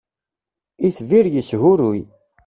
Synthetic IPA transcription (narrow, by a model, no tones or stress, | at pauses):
iθviɾjəsɦʊɾuj